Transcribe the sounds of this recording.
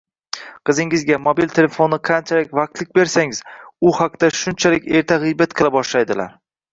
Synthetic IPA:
qʰɨzɪŋɪzɡʲamobilt̪ʰe̞le̞fo̞nːɪqʰant͡ʃʰalɪk̚ʲvaq̚t̪lɪk̚ʲbe̞ɾsaŋɪz̥ʊhaq̚d̪̥aʃʊnt͡ʃʰalɪkʲe̞ɾt̪ʰaʁɨjbat̪qʰɨlˠabɒʃlajd̪ɪla̰ɾ

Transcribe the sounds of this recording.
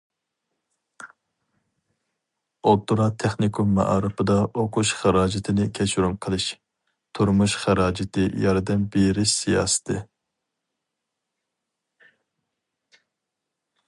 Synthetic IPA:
ot̪ːuɾɑt̪ʰɛχnɪkʰummːɑ̰ʔɑ̰ːɾɨpɨd̪ɑʔoqʰuʃχæɾɑːd͡ʒɪt̪ʰɪnɪkʲʰɛt͡ʃʰɾumqʰəlˠɨʃ | t̪ʰuɾmuʃχæɾɑːd͡ʒɪt̪ʰɨjɑɾd̪ɛmbeɾɪʃsijɑ̰ːsɨ̥t̪ʰɨ

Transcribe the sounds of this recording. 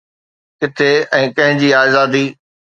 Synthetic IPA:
kɪt̪ʰeɛ̃ːkɐ̃ɦɪ̃d͡ʑiːaːzaːd̪iː

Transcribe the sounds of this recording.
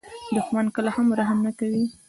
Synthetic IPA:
d̪ʊxmankəlahamɾaɦamnakawi

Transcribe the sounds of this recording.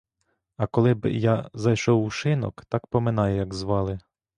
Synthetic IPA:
ɐkɔlˠɪb̰jɑzɐjʃɔwuʃɪnɔ̰kt̪ɑkpɔmɪnɑjʊjɐɡzʋɑlˠɪ

